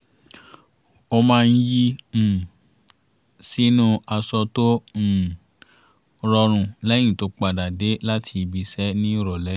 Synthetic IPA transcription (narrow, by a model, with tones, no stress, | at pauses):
o˧mãː˦˧n̩˦ji˦m̩˨ | si˦nũ˦a˧sɔ˧tõ˦˨ | ɾɔ˧ɾ̃ũ˨lɛ˦j̃ĩ˦˨to˨˦k͡pa˨da˨de˨˦la˦tʰi˧bi˧sɛ˦nĩ˦ɾɔ˨lɛ˨˦